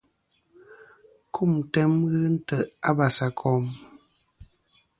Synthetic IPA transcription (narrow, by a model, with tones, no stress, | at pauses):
kʰu˦˨mtɛ˦mɣɨ˦n̩˦tə˦˨ʔa˦ba˨sa˨kʰɔ˨˦m